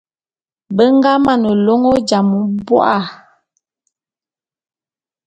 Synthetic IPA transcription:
bə˦ŋ˦ɡa˦ma˦˨nə˨lo˦ŋo˦d͡ʒa˨mu˦bwɔ̰˦ʔa˦˨

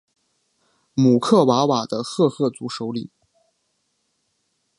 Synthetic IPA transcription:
mu˨˩kʰɤ˥˩wa˧˥wa˨˩d̪ə˦xɤ˥˧xɤ˥˩t͡su˧˥ʂo˧˥ʊli˨˩˦

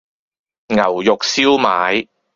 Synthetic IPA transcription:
ŋɐ˨˩wjʊ˨k̚siː˥wmaː˨˥j

